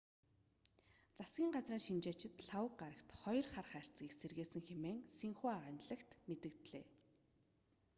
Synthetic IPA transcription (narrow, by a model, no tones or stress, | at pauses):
t͡sasɡʲiːŋɢat͡sriːŋʃint͡ɕeːt͡ɕʰɪ̆t̪ɬawə̆kɢaɾə̆kt̪χɔjɞ̆rχarχæːr̥ʲt͡sɡʲiːkserɣeːsɘ̆ŋxemeːŋsiŋχuaʁant̪ɮə̆kt̪met̪ɘ̆kt̪ɮḛː